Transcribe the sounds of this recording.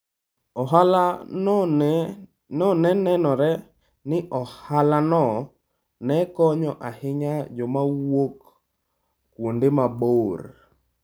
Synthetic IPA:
ɔɦala | nɔnɛnɛnɔɾɛ | nɪʔɔhalanɔ | nɛkɔɲɔʔahɪɲad͡ʒɔmawokː | wondɪmabor

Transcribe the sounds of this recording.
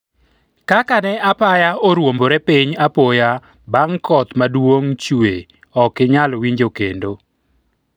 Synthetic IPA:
kakanɛapajaoɾwomboɾɛpiɲapoja | baŋkɔt̪madwoŋt͡ʃue | ɔkɪɲalwiɲd͡ʒokendo

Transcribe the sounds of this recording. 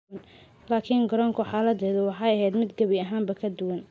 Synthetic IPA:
n | laːkʰiŋɡɔɾɔŋkʰʊħɑːlɐd̪ɛːðʊwɑħɑjɐɦɛjd̪mɪd̪ɡɐβɪɐɦaːmbɐkʰɐd̪ʊwɐn

